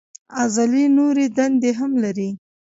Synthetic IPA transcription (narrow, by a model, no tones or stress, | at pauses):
azalinoɾed̪and̪eɦamlaɾi